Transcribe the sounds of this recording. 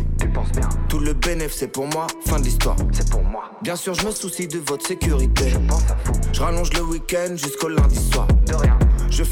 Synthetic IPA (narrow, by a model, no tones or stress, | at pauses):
t̪ypɑ̃sbjɛ̰̃t̪uləpeɛnɛfsepuʁmwafɛ̃d̪list̪wa̰ːʁsɛpuʁmwabjɛ̃syʁʒəməsusid̪əvɔt̪χsekʲyʁit̪eʒəpɑ̃safoʒəʁalɔ̃ʒləwikʲɛnd̪ʒyskolɛ̃d̪iswa̰ːʁd̪əʁjɛ̃ʒə